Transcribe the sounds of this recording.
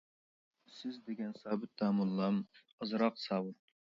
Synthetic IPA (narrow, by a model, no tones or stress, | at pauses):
sɪzd̪eɡʲɛnsɑːbɪt̪̚d̪ɑːmulˠlɑm | əzɾɑqsɑwɨ